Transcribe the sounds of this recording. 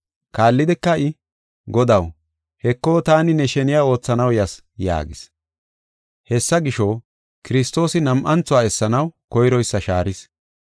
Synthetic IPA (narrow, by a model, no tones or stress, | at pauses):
kaːlːɪd̪ɛkːɐɪ | ɡɔd̪ɐw | hɛkːoːt̪aːnɪnɛʃɛnɪjaːo̞ːt͡sːɐnɐwjɐs | ja̰ːɡɪs | hɛsːɐɡɪʃo | kɪɾɪst̪o̞ːsɪnɐmʔɐnt͡sːʊwaːɛsːɐnɐwkɔjɾɔjsːɐʃaːɾɪs